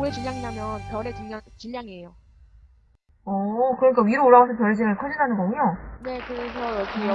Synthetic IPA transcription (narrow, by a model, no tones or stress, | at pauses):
oɾet͡ɕiʎːjaŋiɲamjʌnpjʌɾet͡ɕuŋɲat͡ɕiʎːaŋiɦejo | ʌkɯɾʌɲik͈aɥiɾɯoɭːaɡasʰʌpjʌɭd͡ʑeŋɯɭkʰʌd͡ʑinɦanɯnɡʌɡuɲone̞kɯɾesʰʌjʌkʰi